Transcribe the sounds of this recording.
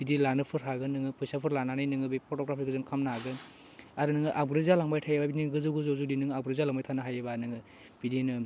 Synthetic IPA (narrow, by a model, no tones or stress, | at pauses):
bidilanɯpʰɯɾɦaɡɯnɯŋɯpʰujsapʰɯɾlananajnɯŋɯbepʰɔɾtɔɡɾapʰiɡɯzɯŋkʰamnaɡɯn | aɾɯnɯŋɯʔabɾezalaŋbajtʰajebabiiɡɯzɯɡɯzozudinɯŋabɾezalaŋbajtʰanaɦajɯbanɯŋɯ | b̥idinɯ